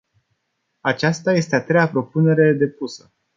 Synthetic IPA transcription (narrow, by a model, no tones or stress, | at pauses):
at͡ʃast̪aje̞st̪e̞at̪ɾe̞japɾo̞pune̞ɾe̞d̪e̞pusə